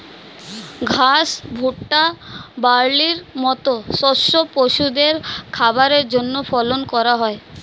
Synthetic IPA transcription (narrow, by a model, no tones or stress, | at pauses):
ɡʱasbʱuʈːabaɾliɾmɔt̪osɔʃopoʃud̪eɾkʰabaɾeɾd͡ʑonːopʰɔlonkɔɾaɦɔe